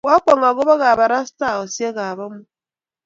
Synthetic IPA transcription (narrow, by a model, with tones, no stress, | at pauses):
wa˦k͡pɔ˨ŋa˨ɡʊ˦βa˦ɣa˨ba˨ɾa˦sta˦˨o˨sje˦ɣa˨βɔ˦mʊ˦